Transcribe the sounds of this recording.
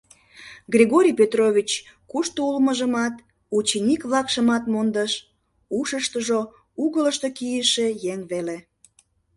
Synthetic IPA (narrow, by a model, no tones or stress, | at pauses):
ɡrʲiɣoɾʲijpet̪roβʲit͡ɕ | kuʃt̪oulməʒəmɑt̪ | ut͡ɕenʲikβlɑkʃəmɑt̪mond̪əʃ | uʃəʃt̪əʒo | uɣələʃt̪okijəʃejeŋβele